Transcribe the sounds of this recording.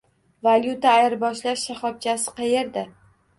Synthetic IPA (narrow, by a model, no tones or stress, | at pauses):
valʲjut̪aːjɪɾbɒʃlaʃʃaχɒp̚t͡ʃʰasɪ̥qʰɑje̞ɾd̪a